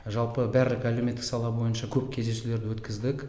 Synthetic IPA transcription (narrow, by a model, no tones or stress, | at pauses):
ʒɑlˠpəbæɾlɪkælume̞t̪ːɪksɑlˠɑbo̞jənʃɑkʲʰɵpkʲʰe̞zd̪e̞ʃule̞ɾd̪ɪwɵt̪kʲʰɪzd̪ɪk